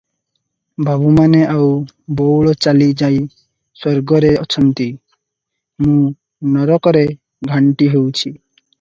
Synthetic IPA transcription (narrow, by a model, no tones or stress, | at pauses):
bʱabumaneʔaw | bowɭɔt͡ʃalid͡ʒaj | sɔɾɡɔɾeɔt͡ʃʰɔnt̪i | mũ | nɔɾɔkɔɾe | ɡʱaɳʈiɦewt͡ʃʰi